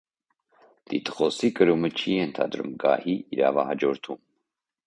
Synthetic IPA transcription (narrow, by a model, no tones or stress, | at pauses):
t̪it̪ʰə̥χɔsikəɾumət͡ʃʰijɛnt̪ʰɑ̰d̪ɾṵmɡɑ̰hiiɾɑ̰vɑhɑd͡ʒɔɾt̪ʰum